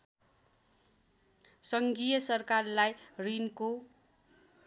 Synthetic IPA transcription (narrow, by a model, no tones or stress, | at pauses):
sʌŋɡijʌsʌrkarlajrinko